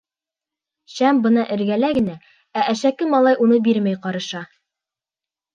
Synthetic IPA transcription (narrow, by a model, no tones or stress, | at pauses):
ɕæmbɤ̆nɑʔɘ̆ɾɡælæɡɘ̆næ | æʔæʃækɘmɑlˠɑjʔunɤbiɾmæjqɑɾɤ̆ʃɑ